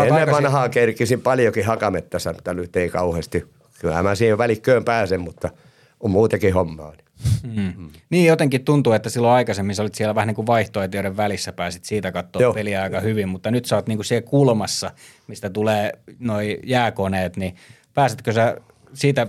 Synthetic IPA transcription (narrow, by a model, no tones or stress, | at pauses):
oenːeʋkʋɑnhɑːkerkisimpɑljokihɑkɑmet̪ːæsæmut̪ːɑnyt̪eikɑuhest̪i | kylæ̰mæsiːheʋʋælikːøːmpæːsemmut̪ːɑ | ummuːt̪ekihomːɑ̰ːli̥ː | niːjot̪eŋkit̪t̪unt̪uet̪ːæsilːoɑikɑsemːinsolit̪sielæʋæhæniːŋkuʋʋɑiht̪oet̪ioɾeʋʋælisːæpæːsit̪siːt̪ækɑt̪ːoːjopeliɑikɑhyʋimmut̪ːɑnyt̪sɑt̪niːŋkusiekulmɑsːɑ | mist̪æt̪uleːnoijæːkoneːt̪ni | pæːset̪̚køsæ | siːt̪æ